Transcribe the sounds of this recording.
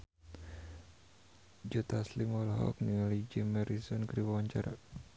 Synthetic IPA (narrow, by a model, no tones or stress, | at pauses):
d͡ʒut̪aslimɔlɦɔ̰k̚nilid͡ʒimɛɾisɔnkɾiwawaɲt͡ʃaɾa̰